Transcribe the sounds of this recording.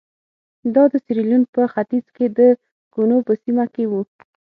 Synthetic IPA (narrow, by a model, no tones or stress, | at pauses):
d̪ɑd̪əsiɾilunpəxat̪izked̪ə | ɡ̥unopəsimakewu